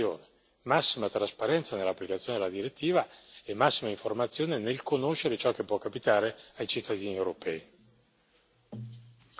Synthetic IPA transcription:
jo̰ːne | masːimat̪ɾaspaɾɛnt̪sanelːapːlikat̪sːjoːned̪elad̪iɾet̪ʰːiːvaemːasːimaiɱformat̪sːjoːnenelkonoʃeɾet͡ʃɔkːepːwɔkːapit̪aːɾeajt͡ʃit̪ːad̪iːniewɾopʰɛːi

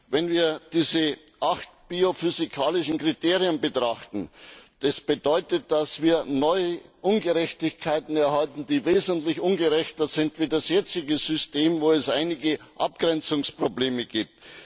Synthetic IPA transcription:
vɛnviːɐd̥iːzə | ʔaxt̚b̥iːofyzikʰaːlɪʃn̩kʁ̥itʰeːʁiənbətʁ̥aχtn̩d̥asb̥ədɔʏtət̚d̥asv̥iːɐnɔʏəʔʊnɡəʁɛçtɪçkʰaɪtn̩ɛɐhaltn̩d̥iːveːzəntlɪçʔʊnɡəʁɛçtɐzɪntv̥iːdasjɛt͡sɪɡəzʏsteːmvoːɛsʔaɪnɪɡəʔap̚ɡ̥ʁɛnt͡sʊŋspʁ̥obleːməɡiːp̚t

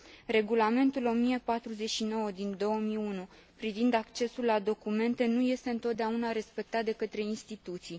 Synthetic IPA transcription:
re̞ɡulame̞nt̪ulo̞mijepat̪ɾuze̞tʃino̞wəd̪ind̪o̞wəmiunu | pɾivind̪akt͡ʃe̞sulːad̪o̞kume̞nt̪e̞nuje̞st̪e̞ɨnt̪o̞t̪̚d̪eaunaɾe̞spe̞k̚t̪at̪̚d̪e̞kət̪ɾe̞inst̪it̪ut̪sij

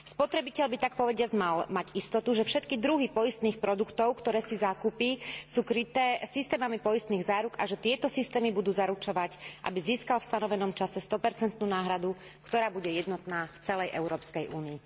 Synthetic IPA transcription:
spɔt̪ɾɛbicɛʎbit̪ak̚pɔʋɛɟɪad͡zmalmaɟist̪ɔt̪uʒɛfʃɛt̪kid̪ɾuɦipɔjist̪niːxpɾɔd̪ukt̪ɔʊkt̪ɔɾɛːsizaːkupisuːkɾit̪ɛːsist̪ɛːmamipɔjist̪niːɣzaːɾuɡaʒɛt̪ɪɛt̪ɔsist̪ɛːmibud̪uːzaɾut͡ʃɔʋacʔa̰biziːskalfst̪anɔʋɛnɔmt͡ʃasɛst̪ɔpɛɾt͡sɛnt̪nuːnaːɦɾad̪u | kt̪ɔɾaːbuɟɛjɛd̪nɔt̪naːft͡sɛlɛjʔɛʊɾɔːpskɛjʔuːniː

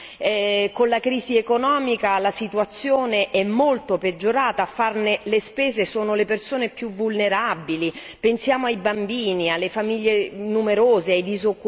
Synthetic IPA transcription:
ɛkonlakɾiːziekonɔːmikalasit̪uat̪sːjoːneʔɛmːolt̪oped͡ʒːoɾaːt̪aːfːarnelespeːzesoːnolepersoːnepjuvulneɾabili | pensjaːmoajbambiːnialːefamiʎːenumeɾoːzeajd̪izokːu

